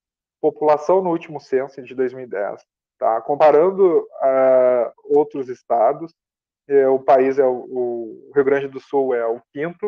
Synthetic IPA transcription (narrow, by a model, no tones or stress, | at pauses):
populasɐ̃w̃nʊut͡ʃimʊsẽsʊɪ̃d͡ʒɪd̪ojzmiwid̪ɛ̰s | t̪a̰kõmpaɾɐ̃nd̪ʊa | owt̪ɾʊzɪst̪ad̪ʊs | ɛʊpaizɛʊʊɦiʊɡɾɐ̃nd͡ʒɪd̪ʊsuwɛʊkĩnt̪ʊ